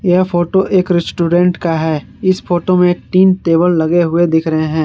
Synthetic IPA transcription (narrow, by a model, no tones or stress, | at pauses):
jɛpʰoːʈoʔeːkɾɪsʈuːɖɛ̃ːɳʈkaɦɛː | ɪspʰoːʈomẽʈiːnt̪eːbəlːɐɡeɦʊed̪ɪkʰɾɐɦeɦɛ̃ː